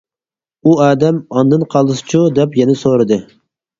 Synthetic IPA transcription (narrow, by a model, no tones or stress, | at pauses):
uɑːd̪ɛmɑnd̪ɨnqʰɑlˠɨsɨ̥t͡ʃʰud̪ɛpjɛnɛsoɾɨd̪ɨ